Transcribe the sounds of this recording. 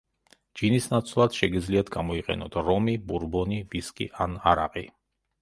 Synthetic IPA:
d͡ʒinisnat̪sʰlˠad̪̥ʃɛɡid̪zliat̪ʰɡamɔiqʼɛ̰nɔt̪ʰɾɔmibuɾbɔniviskʼḭʔanaɾaqʼi

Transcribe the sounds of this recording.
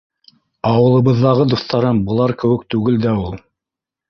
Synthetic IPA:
ɑwɤ̆lˠɤ̆βɤ̆ðːɑʁɤd̪uθt̪ɑɾɤmbɤ̆lˠɑɾkɘ̆wɘ̆k̚t̪ʉɡɘld̪æulˠ

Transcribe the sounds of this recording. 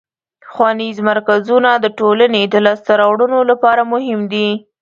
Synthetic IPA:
pəxwɑnizmaɾkazunad̪əʈolaned̪əlɑst̪aɾɑwɽunolapɑɾamʊɦɪmd̪i

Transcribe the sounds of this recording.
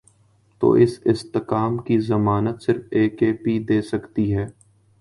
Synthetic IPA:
t̪o̰ːʔɪsɪst̪ɪkaːmkizɐmaːnət̪sɪɾfeːkeːpid̪eːsɐkt̪iɦɛː

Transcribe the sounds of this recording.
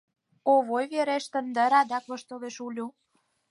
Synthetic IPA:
oβojβeɾeʃt̪ə̆nd̪əɾɑd̪ɑkoʃt̪oleʃulʲu

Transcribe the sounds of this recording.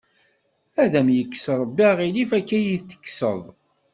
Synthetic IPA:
æðæmjəkːsɾˤəbːiʁilifækːæjit͡sːə̥kːsə̰ðˤ

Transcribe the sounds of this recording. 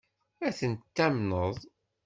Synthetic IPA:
æθənt̪ːæmnəðˤ

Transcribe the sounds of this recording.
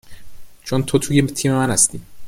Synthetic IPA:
t͡ʃʰont̪ʰot̪ʰujet̪ʰiːmemænhæst̪iː

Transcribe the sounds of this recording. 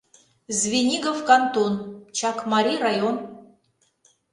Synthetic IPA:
zvʲenʲiɡofkɑnt̪ont͡ɕɑkmɑɾʲirajon

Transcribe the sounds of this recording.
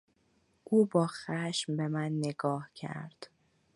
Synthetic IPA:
ʔuːbɒːxæʃmbe̞mænːeɡɒːhcʰæ̰ɾd̪̥

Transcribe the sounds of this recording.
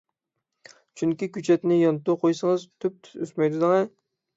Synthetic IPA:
t͡ʃʰyŋkʲikʲyt͡ʃʰɛt̪nɪjɑnt̪uqʰojsəŋəzt̪ʰyp̚t̪ʰy̥t̪øsmɛjd̪ud̪ɨŋɛ

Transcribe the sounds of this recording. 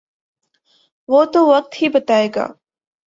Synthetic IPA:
ʋoːt̪oːʋɐk̚t̪hibɐt̪aːeːɡa̰ː

